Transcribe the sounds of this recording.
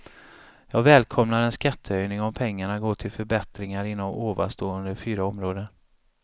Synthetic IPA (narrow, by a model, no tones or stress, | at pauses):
jɑːɡvɛːlkʰɔmnaɾɛnskat̪ʰːəœjnɪŋɔmpʰɛŋːaɳaɡoːt̪ʰɪlfœɾbɛt̪ɾɪŋaɾɪnːɔm̰ʔoːva̰st̪oːɵnd̪əɾfyːɾaɔmɾoːd̪ən